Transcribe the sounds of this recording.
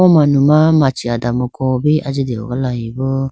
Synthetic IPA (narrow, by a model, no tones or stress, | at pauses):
ɔmãnũmãmat͡ʃiadamokɔbiʔad͡ʒideo̰ɡalajĩbo